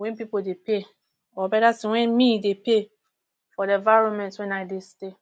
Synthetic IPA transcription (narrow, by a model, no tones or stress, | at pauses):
wɛ̃npipodepʰe | ɔbɛdatsɪwɛ̃nmĩdepʰe | fɔdɛvaɹõnmɛ̃ntwɛ̃naɪdeste